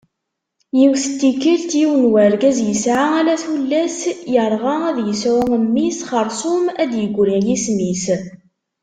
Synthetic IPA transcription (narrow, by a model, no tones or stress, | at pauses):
jiwsət̪ːikːəlt̪jiwənwæɾɡæzjəsʕaælæθulːæsjəɾˤʁɑæðjəswæəmːisχəɾˤsʊmæd̪jəɡʷːɾæjismis